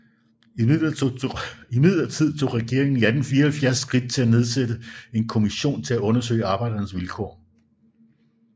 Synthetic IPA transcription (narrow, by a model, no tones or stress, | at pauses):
ilɐ | imið̰ˠlˠɐt͡sʰið̞̰ˠt͡sʰo̝̰ːʁɛɡ̥e̝ɐeŋn̩iæd̥n̩fiːɐhælfjæɐsːɡ̥ʁid̥̚t͡sʰe̝læne̝ð̞ˠsed̥əe̝nkʰo̝miɕo̝̰ːnt͡sʰe̝læɔ̽nɐsø̰ɪɑ̈ːb̥ɑ̈ɪ̰d̥ɐnsʋilkʰɒ̰ː